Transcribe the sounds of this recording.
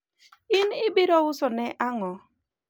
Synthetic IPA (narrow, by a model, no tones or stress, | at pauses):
ɪnɪbɪɾɔʊsɔnɛʔaŋɔ